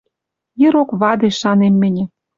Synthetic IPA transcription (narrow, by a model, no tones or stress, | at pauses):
jĕɾokβɑd̪eʃɑnemːɘ̆nʲĕ